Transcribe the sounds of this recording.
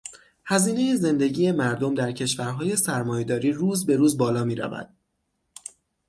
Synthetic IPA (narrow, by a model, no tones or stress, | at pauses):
hæziːne̞jeze̞nd̪e̞ɟiːjemæɾd̪o̞md̪æɾcʰe̞ʃvæɾɦɒːje̞sæɾmɒːje̞d̪ɒːɾiːɾuːzbe̞ɾuːzbɒːlɒːmiːɾæ̰væ̰d̪̥